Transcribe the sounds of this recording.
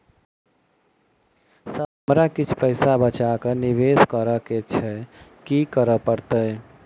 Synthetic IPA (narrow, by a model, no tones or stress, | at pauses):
səɦəmɾakit͡ʃʰpəɪsabət͡ʃakəniʋeskəɾəket͡ʃʰɛkikəɾəpəɾt̪ə